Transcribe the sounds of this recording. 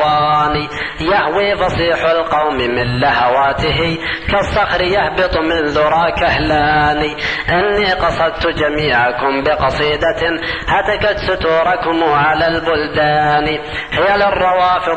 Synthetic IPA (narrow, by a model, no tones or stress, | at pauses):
aːni | jahwiːfɑsˤiːħʊlqɑwmɪmɪnlahawaːt̪ɪɦikasˤːɑxɾɪjahbɪt̪ˤmɪnðʊɾˤɑːkahlaːniʔɪnːiqɑsˤɑd̪̚t̪ʊd͡ʒamiːʕakʊmbɪqɑsˤiːd̪ahat̪akat̪sʊt̪uːɾˤɑkʊmːʕalalbʊld̪aːni | hɪjːalɪrˤːɑwɑːfɨ